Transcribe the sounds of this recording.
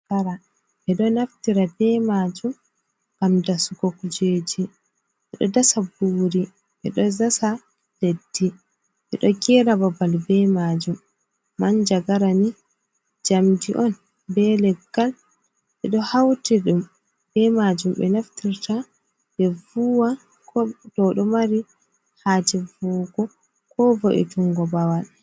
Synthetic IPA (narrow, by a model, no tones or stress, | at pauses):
kaɾa | ʔɛɗɔnaftiɾabɛmad͡ʒum | kamdasuɡokud͡ʒed͡ʒi | ʔɛɗɔdasabuːɾi | ʔɛɗɔzasa | d̥edːi | ʔɛɗɔɡɛɾababalbɛmad͡ʒumː | and͡ʒaɡaɾani | d͡ʒamdiʔɔn | bɛlɛɡːal | ʔɛɗɔhawtiɗum | bɛmad͡ʒumbɛ̰naftʰiɾta | ɓɛvuwa | kɔdɔɗɔmaɾi | haːd͡ʒivuːɡɔ | kɔvɔʔɛ̰tuŋɡɔbawal